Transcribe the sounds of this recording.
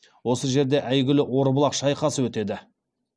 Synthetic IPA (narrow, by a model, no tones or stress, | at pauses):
wo̞səʒe̞ɾd̪e̞ʔæjɡʲɪlɪʔwo̞ɾbəlˠɑqʃɑjqɑsəwɵt̪e̞d̪ɪ